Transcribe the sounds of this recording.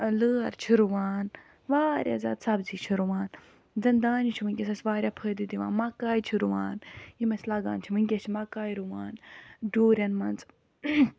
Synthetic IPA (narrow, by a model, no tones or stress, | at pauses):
ləːɐ̰ɾt͡ʃʰiɾuʋaːn | ʋaːɾʲja̰za̰ːd̪sɐbziːt͡ʃʰiɾuʋaːn | zɐnd̪aːnit͡ʃʰimɨŋkʲesɐsʋaːɾʲjapʰəːd̪id̪iʋa̰ːnmakaːit͡ʃʰiɾuʋa̰ːnjimɐslaɡa̰ːnt͡ʃʰimɨŋɡʲet͡ʃʰimɐkaːiɾuʋaːnɖuːɾʲjɐnmɐnt͡s